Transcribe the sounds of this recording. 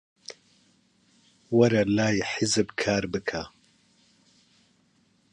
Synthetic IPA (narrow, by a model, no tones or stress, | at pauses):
wɐɾɐlaːjħɪzɨbkʰaːɾbɨkʰa